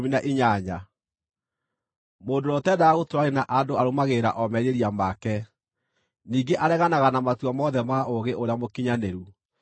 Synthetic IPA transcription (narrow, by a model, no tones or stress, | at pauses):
minaʔiɲaɲa | moːdoɾɔtɛdaaɣotoɾwaɾenaʔandoaɾomaɣeɾaʔɔmɛɾeɾiamakɛ | niːɡeʔaɾɛɣanaɣanamatuɔmɔðɛmaoɣeʔoɾeamokiɲaneɾu